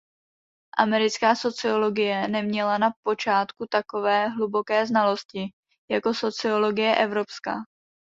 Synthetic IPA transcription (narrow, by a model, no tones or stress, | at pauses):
ʔa̰mɛɾɪt͡skaːso̞t͡sɪo̞lo̞ɡɪjɛnɛmɲɛlanapo̞t͡ʃaːt̪kut̪ako̞vɛːɦlubo̞kɛːznalo̞scɪ | jako̞so̞t͡sɪo̞lo̞ɡɪjɛʔɛvɾo̞pska̰ː